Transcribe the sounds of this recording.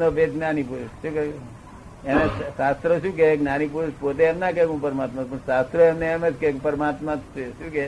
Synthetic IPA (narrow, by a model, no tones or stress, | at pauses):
nopet̪nanipuɾuʃʃũke | emesast̪ɾəʃũk̬eɡnanipuɾuʃpot̪̬eːmnakekũpəɾmat̪mãpəɳsast̪ɾəɛmneːmet͡ʃʰkekpəɾmat̪mãt̪ʰt͡ʃeʃũke